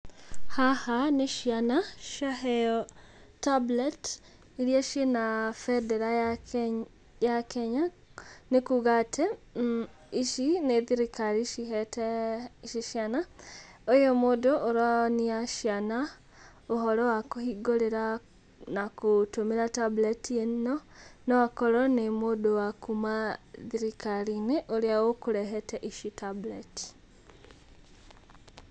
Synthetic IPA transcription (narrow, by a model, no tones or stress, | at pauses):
hahaneʃianaʃahɛɔ | tablet | iɾjaʃenafɛdɛɾa | jakeɲa | nekuɣatʰe | iʃineðiɾikaɾiʃihɛtɛʃiʃjana | ojomodoʔoɾaniaʃjana | oɦɔɾɔwakohiɡoleɾa | nakotumeɾatabletiennonowakɔɾɔnemodowakumaðiɾikaɾineʔoɾiawokuɾɛɦɛtɛʔiʃitableti̥